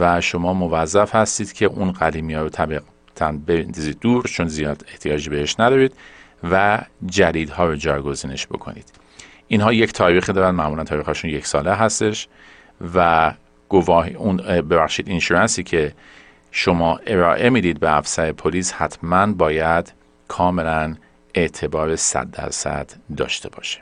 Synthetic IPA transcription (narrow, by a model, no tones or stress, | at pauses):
væʃo̞mɒːmo̞væzːæfhæst̪iːd̪̥cʰe̞ʔunɣæd̪iːmijɒːɾot̪ʰæbi | t̪ʰænbeniziːd̪̚d̪uːɾt͡ʃʰonzijɒːd̪e̞ht̪ʰijɒːd͡ʒibehe̞ʃnæd̪ɒːɾiːd̪ | væd͡ʒæd̪iːd̪hɒːɾod͡ʒɒːjɡo̞ziːne̞ʃbo̞̰kʰo̰nḭːd̪̥ | ʔinhɒːjecʰt̪ʰɒːɾiːxid̪ɒːɾænmæʔmulænt̪ʰɒːɾiːxɒːʃunje̞csɒːleɦæst̪e̞ʃ | væ | ɡ̥ovɒːɦunbe̞bæχʃiːd̪inʃuɾænsiːcʰe̞ | ʃo̞mɒːʔe̞ɾɒːʔe̞miːd̪iːd̪̚beæfsæɾepʰoliːshæt̪ʰmænbɒːjæd̪̥ | kʰɒːme̞læn | e̞ʔt̪ʰe̞bɒːɾesæ̰d̪ːæ̰ɾsæ̰d̪̥ːɒ̰ːʃt̪ʰe̞bɒ̰ːʃe̥